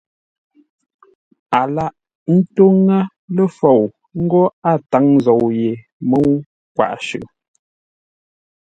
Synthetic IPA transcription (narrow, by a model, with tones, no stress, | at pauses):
a˨la˦ʔ | n̩˦to˦ŋa˦ | lə˦fo˨w | ŋ̩˦ɡɔ˦a˦˨ta˨˦ŋ˦zo˨wje˨ | mə˦w | kwa̰˨ʔʃʉ˨ʔ